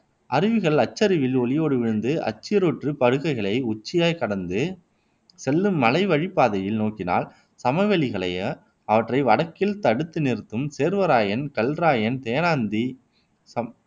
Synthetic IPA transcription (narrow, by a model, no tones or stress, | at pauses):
ɐɾɪʋɯɣɐɭɐt͡ʃːɐɾɪʋɪlɔɭɪjoːɽɯʋɪɻɯnd̪ɯʔɐ̰t͡ʃːɪjɐɾoʈrɯpɐɻɯɣɐɪɣɐɭɐɪʊt͡ʃːɪjaːjkɐɽɐnd̪ɯ | sɛlːɯmːɐlɐɪʋɐɻipːaːðɐjɪlnoːkɪna̰ːl | sɐmɐʋɛɭɪɣɐɭɐ̰ɪɐ | ɐʋɐʈrɐɪʋɐɽɐkːɪlt̪ɐɽɯt̪ːɯnɪɾɯt̪ːɯmseːɾʋɐɾaːjɐnkɐlraːjɐnt̪eːjɐnaːnd̪i | sɐ